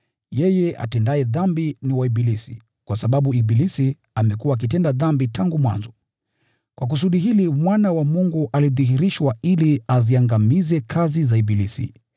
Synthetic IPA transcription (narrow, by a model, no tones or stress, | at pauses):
jɛjɛa̰tɛndaɛðambiniwaiɓilisḭ | kwasaɓaɓuiɓilisi | amɛkuaːk̬itɛndaðambitaŋɡumwa̰nzɔ | kwʔak̬us̬uɗiɦilimwanawamuŋɡuʔaliðihiɾiʃwailiaziaŋɡamizɛkʰazizaibilisḭ